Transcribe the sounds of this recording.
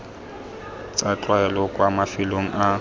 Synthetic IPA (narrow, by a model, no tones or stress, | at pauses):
t͡sʼat͡ɬʼwaɛlɔkʼwamafɪloŋ̩ʔa